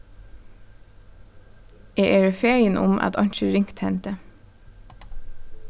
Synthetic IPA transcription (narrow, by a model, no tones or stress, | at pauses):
eːʔeːɹəfeːjənʔʊ̰mʔɑ̰t̪ʰɑ̰ɲʃəɾɪŋkt̪hɛnt̪ə